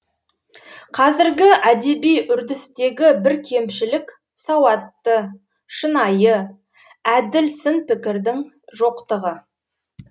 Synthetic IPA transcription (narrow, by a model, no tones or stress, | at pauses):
qʰɑzɪɾɡʲɪæd̪e̞bijʔʏɾd̪ɪst̪e̞ɡʲɪbɪɾkʲʰe̞mʃɪlɪk | sɑwɑt̪ːə | ʃənɑjə | æd̪ɪlsɪnpɪkʲɪɾd̪ɪŋ | ʒo̞qt̪əʁə